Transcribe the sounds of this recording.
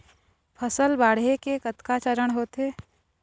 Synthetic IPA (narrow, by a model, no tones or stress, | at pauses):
pʰəsəlbaːɽɦekekət̪kat͡ʃəɾəɽ̃ɦoːt̪ɦeː